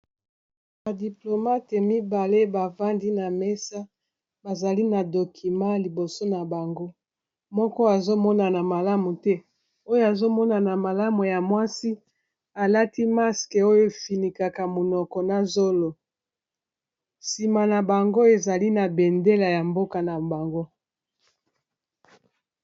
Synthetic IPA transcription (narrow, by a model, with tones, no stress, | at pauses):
ba˨di˨plo˨ma˦tɛ˨mi˦ba˨le˦ba˨va˦ndi˦na˨mɛ˦sa˦ | ba˨za˨li˦na˨do˨kʰi˨ma˦li˨bo˨so˦na˨ba˨ŋɡo˦ | mɔ˦kɔ˦a˨zo˦mɔ˦na˨na˨ma˨la˦mu˨tɛ˦ | o˦jo˦a˨zo˦mɔ˦na˨na˨ma˨la˦mu˨ja˨mwa˦si˦ | a˨la˦ti˦ma˦ske˨o˦jo˦e˨fi˨ni˨ka˨ka˨mo˨nɔ˨kɔ˨na˨zo˦lo˨ | si˨ma˨na˨ba˨ŋɡo˦e˨za˨li˦na˨bɛ˨nde˦la˨ja˨mbo˦ka˨na˨ba˨ŋɡo˦